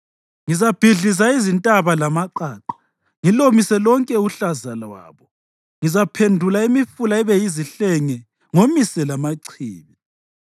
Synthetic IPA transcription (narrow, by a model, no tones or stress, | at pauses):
ŋizab̥ʱiɮis̬aizintʼaβalamaǃaːǃḁ | ŋilomisɛlɔŋkʼɛuɬazalawa̰ːβɔ | ŋizapʰendʱulaimifulaɛβɛjiziɬɛŋɛ | ŋomisɛlamaǀʰiːβi